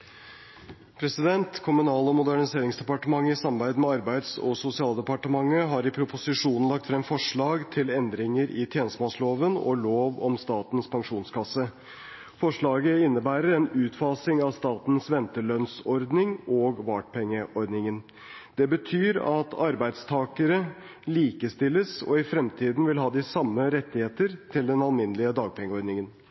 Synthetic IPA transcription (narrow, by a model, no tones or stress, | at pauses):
pʰɾɛsɪd̪ɛnt̪kʰʊmʉnɑːləɔmʊd̪æɳɪseːɾɪŋsd̪ɛpɑʈəmɑŋːəɪsɑmbæɪd̪mɛɑɾbæɪd̪sɔ̰sʊsɪɑːlˠd̪ɛpɑʈəmɑŋːəɦɑɾɪpʰɾʊpʊsɪʂuːnn̩lɑkt̪fɾɛmfɔʂɭɑːɡt̪ʰɪlɛnd̪ɾɪŋəɾʔɪt̪ʰjeːnəsəmɑːsloːʋənɔ̰loːʋɔ̰mst̪ɑːt̪n̩spʰɑŋʂuːnskʰɑsə | fɔʂɭɑːɡəɪnːəbæːɾəɾɛnʉːt̪fɑːsɪŋɑʋst̪ɑːt̪nsʋɛnt̪əɭœnsɔɾd̪nɪŋɔːɡʋɑːʈpʰɛŋːəʔɔɾd̪nɪŋən | d̪̥ɛbət̪ʰyːɾɑt̪ʰɑɾbæɪd̪st̪ʰɑːkəɾə | liːkəst̪ɪlːəsɔ̰ɪfɾɛmt̪ʰiːd̪n̩ʋɪlɦɑːd̪ɪsɑmːəɾɛt̪ːɪheːt̪əɾt̪ʰɪld̪ɛnɑlmɪnəlɪəd̪ɑːɡ̚pʰɛŋːəɔɾd̪nɪŋən